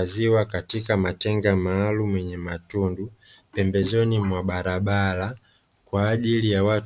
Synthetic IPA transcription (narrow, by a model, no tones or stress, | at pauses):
aziwakatikamatɛŋɡamaːlumwɛɲɛmatundupɛmbɛzɔnimwaɓaɾaɓala | kwaːʄilijawa